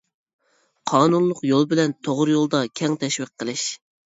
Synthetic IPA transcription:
qʰɑːnunlˠʊqjolˠbɪlɛnt̪ʰoʁɾjolˠd̪ɑkʲʰɛŋt̪ʰɛʃwɪqʰːəlˠɪʃ

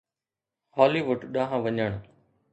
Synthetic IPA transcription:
hɔːliːʋʊɖɗãːɦãʋəɲəɳ̃

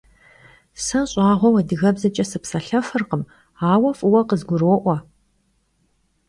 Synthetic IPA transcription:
sɐnɕʼɑːʁʷɔwɐdɨɣɐbzɐt͡ʃʼɐsɨpsɐɬɐfɨrqəm | aːwɐfʼɨwɐqəzɡʷʊɾoːʔʷɔ

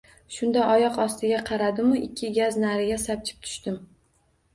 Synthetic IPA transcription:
ʃʊnd̪aʔɒjɒqɒst̪ɪɡʲaqʰɑɾad̪ɪmʊʔɪkʲʰːɪɡʲaznaɾɪɡʲasap̚t͡ʃʰɪ̥p̚t̪ʰʊ̥ʃt̪ɪm

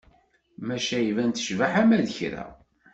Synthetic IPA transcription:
mæʃæivænt̪ə̥ʃvaħæmæðəçɾæ̰

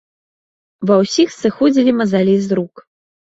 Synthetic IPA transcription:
vɐwsʲixsɨxɔd͡zʲilʲimɐzalʲizɾuk

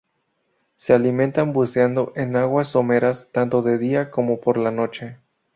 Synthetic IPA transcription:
se̞alimẽ̞nt̪ambuseand̪o̞ʔe̞naɣwaso̞me̞ɾast̪ant̪o̞ðe̞ðiako̞mo̞po̞ɾlano̞t͡ʃe̞

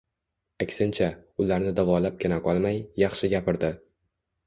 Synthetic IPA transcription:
akʲsɪnt͡ʃʰaʊlaɾnɪd̪avɒlap̚kʲʰɪnaqʰɒlˠmajːɑχʃɪɡʲapʰɪɾd̪ɪ

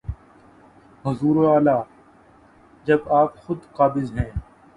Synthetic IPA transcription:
ɦʊzuːɾoaːlaː | d͡ʒɐbaːpxʊd̪qaːbɪzɦɛ̃ː

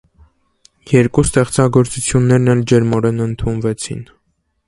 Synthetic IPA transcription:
jɛɾkust̪ɛχt͡sɑɡɔɾt͡sut͡sʰjunːɛɾnɛld͡ʒɛɾmɔɾɛnənt̪ʰunvɛt͡sʰḭn

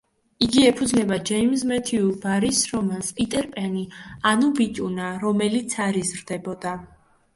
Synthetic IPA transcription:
iɡiɛpʰud̪zlɛbad͡ʒɛimzmɛt̪ʰiubaɾisɾɔmanspʼit̪ʼɛɾpʼɛnianubit͡ʃʼunaɾɔmɛlit̪sʰaɾizɾd̪ɛbɔd̪a

